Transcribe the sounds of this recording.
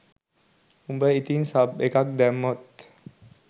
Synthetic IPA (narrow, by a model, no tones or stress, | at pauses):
umbəit̪iŋsab̚ekak̚d̪ɛmɔt̪